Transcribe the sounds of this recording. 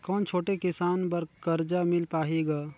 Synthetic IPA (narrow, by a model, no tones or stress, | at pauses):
kɔːnt͡ʃʰoːʈekɪsaːnp̬ɐɾkɐɾd͡ʒamɪlpaːɦeɡaː